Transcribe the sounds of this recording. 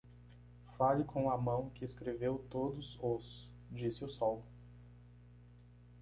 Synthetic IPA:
falɪkʰõɐmɐ̃w̃kɪeskɾevewt̪od̪ʊzʊs | d͡ʒisɪʊsɔw

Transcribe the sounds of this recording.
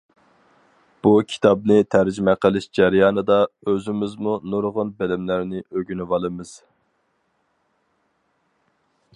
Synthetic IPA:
b̥ukʲʰi̥t̪ʰɑbnɨt̪ʰæɾd͡ʒymɛqəlˠɪʃd͡ʒæɾjɑːnɨd̪ɑøzɪmɪzmunoɾʁʊnbɛlɪmlæɾnɪʔøɡʲynyvɑlˠɨmɨz̥

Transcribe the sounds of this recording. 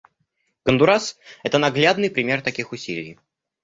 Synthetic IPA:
kənd̪ʊɾasɛt̪ənɐɡlʲad̪nɨjpɾʲɪmʲe̞rt̪ɐkʲixʊsʲilʲɪj

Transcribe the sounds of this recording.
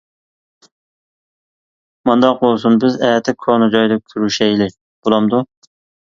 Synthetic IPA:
mɑnd̪ɑq̚olˠsunbɪzɛjɛt̪ʰːɪkʰonɨd͡ʒɑjd̪ɛkʲʰyɾyʃɛjlɪ | b̥olˠɑmd̪u

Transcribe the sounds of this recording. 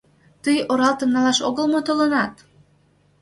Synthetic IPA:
t̪əjoɾɑlt̪ə̆nnɑlɑʃo̰ɣəlmot̪olənɑt̪

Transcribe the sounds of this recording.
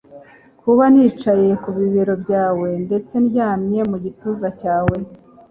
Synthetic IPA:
kʰuβaniːt͡ʃaje̞kuβiβiɾo̞bɟaːwe̞nde̞t͡se̞nɟaːmɲe̞muɟituːzacaːwe̞

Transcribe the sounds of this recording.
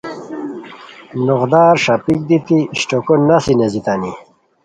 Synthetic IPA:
noʁd̪aːɾʂɐpik̚d̪it̪iɕʈokonːasinezit̪ani

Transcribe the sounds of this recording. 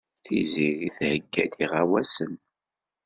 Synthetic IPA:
θiziɾiθhəɡːæd̪iʁæwæsən

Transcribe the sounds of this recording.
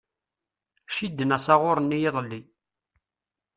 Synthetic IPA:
ʃid̪ːənæsɑʁʊɾˤənːijɪðˤlːi

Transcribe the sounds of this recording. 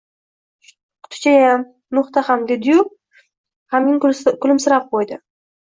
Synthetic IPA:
qʰʊ̥t̪ʰʊ̥t͡ʃʰajam | nʊχt̪ahamd̪ed̪ɪjʊp̚ | hamnɪŋkʰʊlɪmsɪɾap̚qʰojd̪ɪ

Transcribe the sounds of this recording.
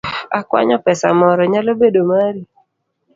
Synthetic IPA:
akwa̰ɲɔpɛsa̰mɔɾɔɲalobedomaɾi

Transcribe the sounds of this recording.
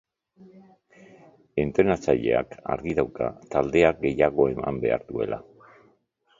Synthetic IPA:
e̞nt̪ɾenat͡saʎe̞̰a̰ka̰ɾɣiðawka̰t̪ald̪e̞ak̚ɡe̞jaɣ̞o̞e̞ma̰mbe̞̰aɾðue̞̰lʔa

